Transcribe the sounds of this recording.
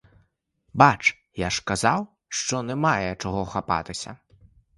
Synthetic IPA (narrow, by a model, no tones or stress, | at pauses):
bat͡ʂ | jaʂkazaw | ʂt͡ʂɔnɛmajɛt͡ʂaɣɔxapa̰t̪ɨsʲɐ̰